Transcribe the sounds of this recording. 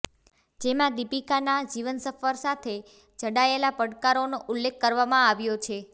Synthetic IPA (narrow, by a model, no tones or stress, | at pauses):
d͡ʒemãd̪ipikanad͡ʒiʋənsəfəɾsat̪ʰe | d͡ʒəɽaelapəɽkaɾonoʔʊlːekːəɾʋamãaʋjot͡ʃʰe